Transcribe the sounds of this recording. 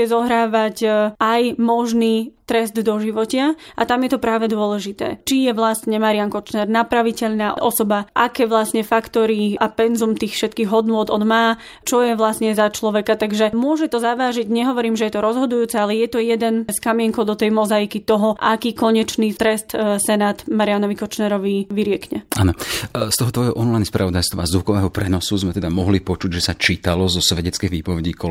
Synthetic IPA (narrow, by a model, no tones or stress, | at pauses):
ɛzɔɦɾaːʋacajmɔʒniːt̪ɾɛzd̪d̪ɔʒiʋɔcɪaʔa̰t̪amjɛt̪ɔpɾaːʋɛd̪ʊɔlɛʒit̪ɛ̰ːt͡ʃijɛʋlasɲɛmaɾiaŋkɔt͡ʃnɛɾnapɾaʋicɛʎnaːʔʔɔsɔbaʔakɛːʋlast̪ɲɛfakt̪ɔɾiʔapɛnzumt̪iːxfʃɛt̪̚kiːɣɦɔd̪nʊɔd̪ɔd̪maː | t͡ʃɔjɛʋlast̪ɲɛzat͡ʃlɔʋɛkat̪aɡʒɛmʊɔʒɛt̪ɔzaʋaːʒiɟɲɛɦɔʋɔɾiːmʒɛjɛt̪ɔɾɔzɦɔd̪ujuːt͡sɛalɛjɛt̪ɔjɛd̪ɛnskamɪɛŋkɔʊd̪ɔt̪ɛjmɔzajikit̪ɔɦɔʔakiːkɔɲɛt͡ʃniːt̪ɾɛst̪sɛnaːd̪maɾianɔʋikɔt͡ʃnɛɾɔʋiʋiɾɪɛkɲɛaːnɔst̪ɔɦɔt̪ʋɔjɦɔʔɔnlajnspɾa̰ʋɔd̪ajst̪ʋɔ̰azukɔʋɛːɦɔpɾɛnɔsuzmɛt̪ɛd̪amɔɦlipɔt͡ʃuɟʒɛsat͡ʃiːt̪alɔzɔsʋɛɟɛt͡skɛɣʋiːpɔʋɛɟiːkɔ